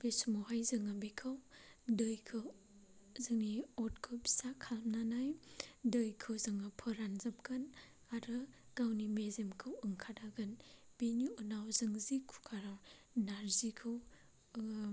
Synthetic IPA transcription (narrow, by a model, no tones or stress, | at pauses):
besmoɦajzɯŋabikʰɯwdɯjkʰɯ | zɯŋniɔt̚kʰɯwbi̥sakʰalmnanajdɯjkʰɯwzɯŋapʰɯɾanzɐp̚ɡɯn | aɾɯɡ̥awnimezemkʰɯwɯŋkʰadaɡɯnb̥enuunawzɯŋzikʰu̥kʰaɾaw | naɾzikʰɯw